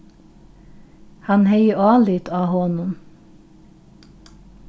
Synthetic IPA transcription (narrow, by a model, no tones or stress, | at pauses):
hɑnheɪəɑːlɪt̪ʰɑːhɔnʊm